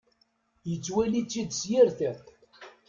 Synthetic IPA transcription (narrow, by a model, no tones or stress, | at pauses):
jət͡sːwælit͡sːid̪sjɪɾθæθ